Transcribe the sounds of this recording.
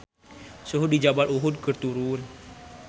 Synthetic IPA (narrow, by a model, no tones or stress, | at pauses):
suɦud̚id͡ʒabaluɦud̪̚kərt̪uɾun